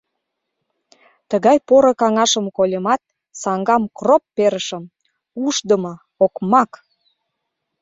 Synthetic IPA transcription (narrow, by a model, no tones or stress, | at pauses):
t̪əɣɑjpoɾəkɑŋɑʃəmkolʲemɑt̪̚ | sɑŋɡɑmkropːeɾəʃə̆m | uʃd̪əmə̆ | okmɑk